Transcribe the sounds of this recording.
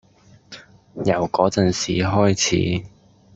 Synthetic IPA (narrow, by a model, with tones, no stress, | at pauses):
jɐ˨˩wkɔː˨˥t͡sɐ˨nsiː˨˩ɦɔː˥jt͡sʰḭː˨˥